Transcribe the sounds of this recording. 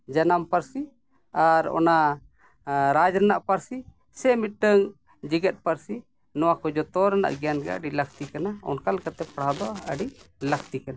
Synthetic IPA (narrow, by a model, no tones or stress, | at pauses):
d͡ʒanampəɾsi | aɾɔ̰na | ɾad͡ʒɾɛnaʔpaɾsi | sɛmit̪̚ʈəŋ | d͡ʒiɡɛt̪̚pəɾsi | nɔwakɔd͡ʒɔt̪ɔɾana̰ʔɡɛjanɡɛə̰ɖiləkʰt̪ikanaɔ̰nkalkat̪ɛpɽ̤ad̪ɔaəɖiləkʰt̪ikana